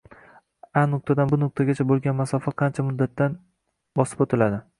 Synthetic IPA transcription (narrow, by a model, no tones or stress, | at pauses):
anʊq̚t̪ʰad̪anbʊnʊq̚t̪ʰaɡʲat͡ʃʰabolˠɡʲanmasɒfaqʰɑnt͡ʃʰamʊd̪ːat̪ːan | bɒsɪ̥pot̪ʰɪlad̪ɪ